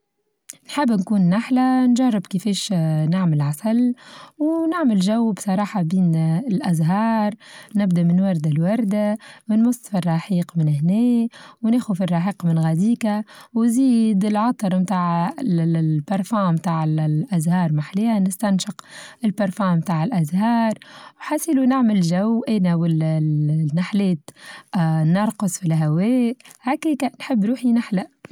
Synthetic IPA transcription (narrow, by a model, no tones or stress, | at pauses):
nħɪbːnkuːnːaħlanʒɑrˤːɪbkɪfeːʃnɪʕmɪlʕasalwnɪʕmɪlʒawːbsˤɑɾˤɑːħɑbiːnɪlʔazɦɑːɾˤnɪbd̪aʔmɪnwɑɾˤd̪alwɑɾˤd̪awnmʊsˤːfirˤːɑħiːqmɪnhnɛːwneːxufirˤːɑħiːqmɪnɣæd̪iːkawziːd̪ɪlʕɑt̪ˤɑɾˤmt̪aːʕ | pɑɾˤfomt̪aːʕɪlʔazhɑːɾˤmaħlianɪst̪anʃɪqɪlpɑɾˤfɑːmːt̪aːʕɪlʔazhɑːɾˤwħasiːlunaʕmɪlʒawʔɛnawɪl | nːaħlɛːt̪ | nɑɾˤqɑsˤfilɦawɛːʔhakiːkanħɪbːɾuːħinaħla